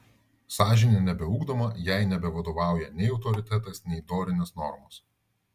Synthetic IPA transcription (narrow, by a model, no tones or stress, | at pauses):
sɑːʒʲɪnʲenʲɛbʲɛuːɡd̪omɐjæɪnʲɛbʲɛʋɐd̪oːʋɑˑʊjɛnʲɛɪɒʊt̪ɔɾʲɪt̪ʲɛt̪ɐsnʲɛɪd̪oːɾʲɪnʲɛsnɔ̰ɾmos